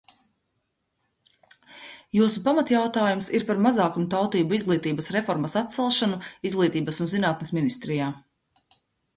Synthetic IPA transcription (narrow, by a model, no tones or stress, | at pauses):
juːsupamat̪jawt̪aːjumsiɾpaɾmazaːkumut̪awt̪iːbuizɡlˠiːt̪iːbɐsɾɛfɔɾmɐsat̪t̪sɛlˠʃanuizɡlˠiːt̪iːbəsunzinaːt̪nesminist̪ɾijaː